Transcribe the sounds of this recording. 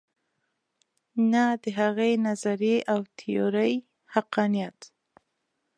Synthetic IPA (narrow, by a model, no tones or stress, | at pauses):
nad̪əɦaɣenazaɾeʔawt̪ʰɪjoɾəj | haqɑnijat̪